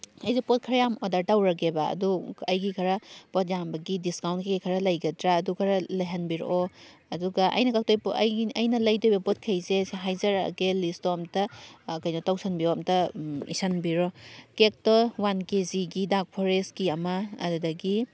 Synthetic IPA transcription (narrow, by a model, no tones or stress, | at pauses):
ɐjzepot̚kʰɐɾɐjamodaɾtawɾɐɡeba̰ːduɐjɡikʰɐɾɐpot̚ʰjambɐɡidiskawntkeɡikʰɐɾɐlɐjɡɐtɾaːdukʰɐɾɐlajɦɐnbiɾ̰ʔoɐduɡaʔɐ̰jnɐkak̚tojɐjnɐlɐjdojbɐpot̚kʰɐjzesɦajzɐɾɐ̰ɡelistomtɐkɐjnɐtawsʰɐnbiomtɐḭsanbiɾokek̚tɔwankeziɡidak̚pʰoɾeskiɐma̰ːdudɐɡi